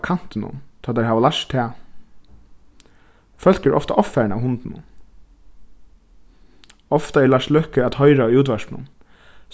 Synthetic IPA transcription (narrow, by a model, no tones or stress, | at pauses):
kʰan̥t̪ɪnʊ̰nt̪ʰaːt̪ɛɦaːʋalaʂtt̪ʰːɛː | fœl̥kɛɹʔɔ̰ft̪aʔɔffæɹɳaːwhʊnt̪nʊ̰n | ɔft̪aɛɭaʂlœhkəæt̪hɔʏɾauːt̪̬ʋaʂnʊ̰n